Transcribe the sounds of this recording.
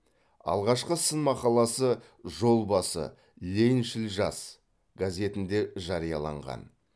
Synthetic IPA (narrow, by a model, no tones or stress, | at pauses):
ɑ̰lˠʁɑʃqəsənmɑqɑlˠɑsə | ʒo̞lˠbɑsə̰ | lʲejnʃɪlʒɑs | ɡaze̞t̪ɪnd̪e̞ʒɑɾijɑlˠɑ̰ɴʁɑ̰n